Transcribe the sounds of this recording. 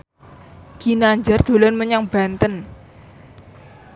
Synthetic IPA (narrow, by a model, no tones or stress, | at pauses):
ɡ̥inaɲd͡ʒard̪̥o̤lɔnməɲaŋb̥a̤nt̪ən